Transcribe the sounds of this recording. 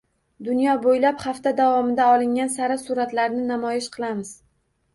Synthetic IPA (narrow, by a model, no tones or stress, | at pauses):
d̪ʊnjɒbojlaphaft̪ad̪avɒmɪd̪aɒlˠɪŋʲansaɾasuɾat̪laɾnɪnamɒjɪʃqʰɨlˠamɪz̥